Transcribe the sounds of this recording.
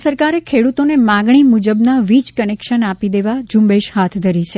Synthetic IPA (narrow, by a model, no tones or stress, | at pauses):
səɾkaɾekʰeɽut̪onemãɡɳimud͡ʒəbnaʋit͡ʃkənekʃənapid̪eʋad͡ʒũmbeʃɦat̪ʰd̪ʱəɾit͡ʃʰe